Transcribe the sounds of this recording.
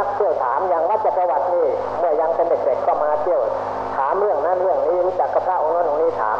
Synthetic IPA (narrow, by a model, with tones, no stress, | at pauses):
k̚t̪ʰi˧˩əwt̪ʰaː˩˦mja˧ŋwa˦˥t̪̚t͡ɕa˧˩pɾa˧wa˧˩t̪̚niː˧˩ | mɯ˧˩əja˧ŋpe˧nde˨˩k̚de˨˩kʰːɔː˧˩maː˧t̪ʰi˧˩əw | t̪ʰaː˩˦mɾɯ˥˩əŋna˦˥nɾɯ˥˩əŋniː˦˥˨ɾuː˦˥t͡ɕa˨˩kʰːa˧˩kʰaː˧˩ʔo˧ŋːɔː˧˥nʔo˧ŋniː˦˥˩t̪ʰa̰ː˩˦m